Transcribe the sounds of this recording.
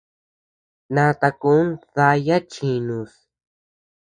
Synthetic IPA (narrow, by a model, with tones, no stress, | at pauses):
nã˧t̪a˧ku˦nða˧ja˦t͡ʃi˧nũ˧˨s